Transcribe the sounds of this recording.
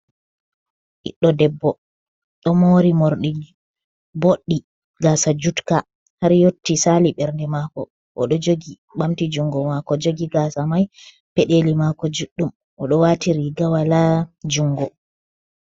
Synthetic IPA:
ʔḭɗːɔdɛbːɔ | ɗɔmoɾimoɾɗi | boɗːi | ɡaːsad͡ʒutka | haɾjotːisaliɓɛɾndɛmakɔ̰ | ʔɔ̰ɗɔd͡ʒoɡi | ɓamtid͡ʒuŋɡɔmakɔd͡ʒoɡiɡasamaj | pɛɗelimakɔd͡ʒuɗːum | ʔɔɗɔwatiɾiɡawalad͡ʒuŋɡɔ

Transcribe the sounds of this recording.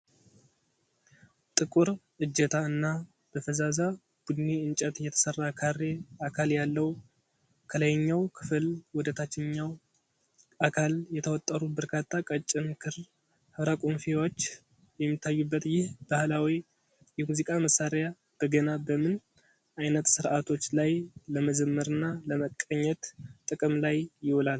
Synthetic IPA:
t̪ʼɨkʼuɾʔɨd͡ʒːət̪ʰaɨnːa | b̥əfəzaza | b̥ud̪neɨnt͡ʃʼət̪jɛt̪ʰə̥sərːakʰarːe̞akʰaljalːəw | kʰələjɲːawkʰɨ̥fɨlwɔd̪ət̪ʰat͡ʃːɪɲːaw | akʰaljɛt̪ʰəwɔt̪ʼːəɾubəɾkʰat̪ʰːakʼət͡ʃʼːɨmkʰɨɾ | hɨβɾakʼonfewot͡ʃː | jɛmːit̪ʰːajːubːət̪jɪhb̥ahlawi | jɛmuzikʼaməsːaɾeja | b̥əɡənabəmɨn | ʔajnət̪sɨɾʔat̪ʰo̞t͡ʃːlajləməd͡ʒəmːəɾɨnːaləməkʼːəɲːɛt̪t̪ʼːɨkʼɨmlajjɪwolal

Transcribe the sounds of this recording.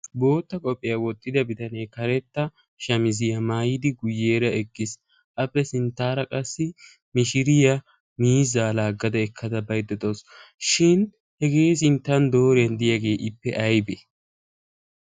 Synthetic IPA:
bo̞ːt̪ːɐkʼɔpʼːɪjawɔt̪ʼːɪd̪ɐbɪt̪ɐneːkɐɾɛt̪ːɐ | ʃɐmɪzɪjɐmaːjɪd̪ɪɡʊjːe̞ːɾɐɛkːɪs | ʔɐpːɛsɪnt̪ːaːɾɐkʼɐsːɪ | mɪʃɪɾɪjɐ | miːzaːlaːɡɐd̪ɐɛkʰːɐd̪ɐbɐjd̪ɛt̪owsʃɪn | hɛɡe̞ːs̬ɪnt̪ːɐnd̪o̞ːɾɪjɐnd̪ɪjɐɡe̞ːʔɪpːɛʔɐjbe

